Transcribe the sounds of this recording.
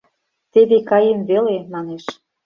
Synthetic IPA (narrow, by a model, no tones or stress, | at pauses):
t̪ed̪ekɑjemvelemɑneʃ